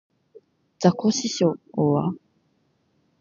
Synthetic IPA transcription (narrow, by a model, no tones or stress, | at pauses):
d͡zakoɕiɕoːwa̰